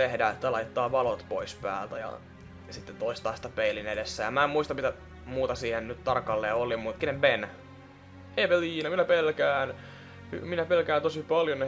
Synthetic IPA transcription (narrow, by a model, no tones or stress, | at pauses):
t̪ehdæet̪ːælɑit̪ːɑːʋɑlot̪poispæ̰ːlt̪æjɑ̰ | sit̪ːent̪oist̪ɑist̪ɑpeilinedesːæjɑmæemmuist̪ɑmit̪æ | muːt̪ɑsiːhennyt̪t̪ɑrkːɑlːeːolimut̪kinemben | eːpeliːnɑminæpelkæːn | hy̰minæpelkæːnt̪osipɑljone